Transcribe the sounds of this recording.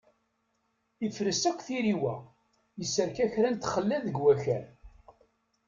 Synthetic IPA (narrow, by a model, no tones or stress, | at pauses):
ifɾəsækʷːθiɾiwæ | jəsəɾkæçɾænt̪χəlːæðəɡwæçæɾ